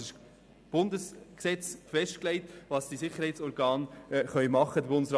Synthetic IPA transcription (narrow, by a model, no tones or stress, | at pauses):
ɪʃ | b̥ʊndəsksɛt͡sfɛʃtklɛɪtvʋɑsd̥isɪχːəɾhɛɪt͡sɔɾɡɑːnχœʏmɑχːəd̪əbʊndəsɾ